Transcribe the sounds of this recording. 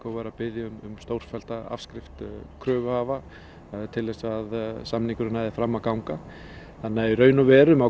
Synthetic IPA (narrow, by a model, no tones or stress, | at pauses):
kɔɣvaɾapɪðjaʏmʏmst̪owɾ̥fɛl̥t̪aa̰fskɾɪft̪kʰɾœːvʏhaːva | t̪ʰɪlðɛsaðsamniŋkʏɾɪnaðɪfɾamːakawŋka | θanːaiɾœːɥnʏvɛːɾʏmaw